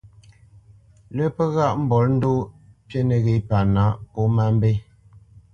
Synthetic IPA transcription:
lə˦pə˦ɣa˦˨ʔm̩˦bɔ˨˦ln̩˦do˦pje˦nə˨ɣe˨˦pa˨na˨˦ʔpo˦ma˦m˦be˦

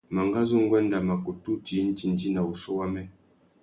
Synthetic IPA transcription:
ma˨ŋɡa˦zu˦ŋ̩˦ɡwɛ˦n˦da˨ma˨ko˨tu˦ti˨˦n̩˦ti˨n˨di˦na˨u˨ʃɔ˦wa˦mɛ˦

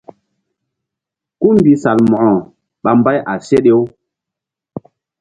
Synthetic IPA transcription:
ku˦m˨bi˨sa˨lmɔ˨ʔɔ˨ | ɓa˨m˦ba˦jʔa˨se˦ɗe˦w

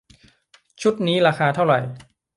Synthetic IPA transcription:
t͡ɕʰu˦˥t̪̚niː˦˥ɾaː˧xaː˧t̪ʰa˥˩wɾa̰˨˩j

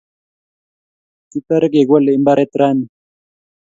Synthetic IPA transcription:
ti˦ta˦ɾɛ˦k̬ɛ˨k̬wa˦lɛ˨i˦mba˦ɾɛ˦tɾaː˦ni˨

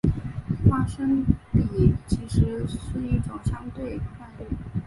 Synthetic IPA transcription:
fa˥ʂə˥ŋpi˨˩t͡ɕʰi˧˥ʂɻ̩˧˥ʂə˥˧i˥˩ʈ͡ʂʊ˨˩ŋɕjɑ˥ŋt̪we˥˩ɪə˩fa˥˧nli˥˩

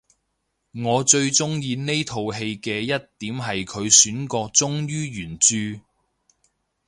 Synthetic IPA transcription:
ŋɔː˨˧t͡ʃɵ˧ɥt͡sʊ˥ŋjiː˧ne˥jt̪ʰo˨wɦe˧jkɛː˧jɐ˥t̚t̪iː˨˥mɦɐ˨jkʰɵ˨˧ɥsyː˨˥nkɔː˧t͡sʊ˥ŋjyː˥jyː˨˩nt͡ʃyː˧

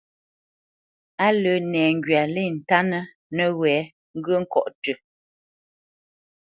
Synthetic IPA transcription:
a˦lə˨˦nɛː˨ŋ̩˨ɡɥa˨le˦˨n̩˨ta˦nə˦ | nə˦˨ɣwɛ˨˦ | ŋ̩˦ɡə˦ŋ̩˦kɔ̰˦˨ʔtʉ˨

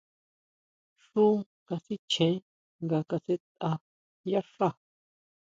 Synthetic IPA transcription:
ʂu˦ | ka˧si˦t͡ʃʰẽ˨˦ | ŋɡa˧ka˧se˧t̪̚ʔa˧ | ja˦ʂa˦˨

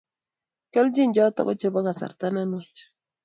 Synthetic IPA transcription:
kɛ˦ld͡ʒi˦ɲd͡ʒɔ˦tɔ̰˨ko̰˦t͡ʃe˦ba˦ŋa˨sa̰˨ɾta˦na˦nwa˨t͡ʃ

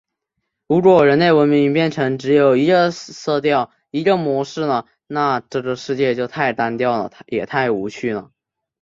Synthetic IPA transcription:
u˧˥ʈ͡ʂwɔ˨˩ɻə˧˥nle˥˩ɪwə˧˥nmi˧˥ŋpjɛ˥˩nʈ͡ʂʰɤ˧˥ŋʈ͡ʂɻ̩˧˥jo˨˩ʊi˧˥ɡə˧sɤ˥˧t̪jɑ˥˩ʊ | i˧˥ɡə˧mwɔ˧˥ʂɻ̩˥˩nə˩ | na˥˧ʈ͡ʂɤ˥˩ɡə˩ʂɻ̩˥˧t͡ɕjɛ˥˧t͡ɕjo˥˧ʊt̪ʰa˥˩ɪt̪a˥nt̪jɑ˥˩ʊlə̰˩jɛ̰˨˩t̪ʰa˥˩ɪu˧˥t͡ɕʰy˥˩nə̰˩

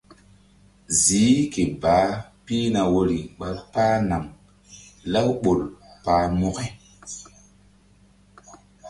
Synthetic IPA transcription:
ziː˨˦ke˨baː˨˦piː˦na˨wo˨ɾi˨ɓa˨ɾpaː˦na˨ŋ | la˦wɓo˨lpaː˨˦mo˦ke˦

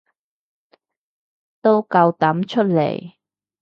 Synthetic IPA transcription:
t̪o˥wkɐ˧wt̪ɐ˨˥mt͡ʃʰɵ˥t̚lḛ˨˩j

